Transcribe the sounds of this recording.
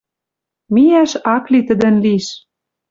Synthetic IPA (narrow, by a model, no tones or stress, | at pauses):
miæʃɑklit̪ə̆d̪ɘ̆nliʃ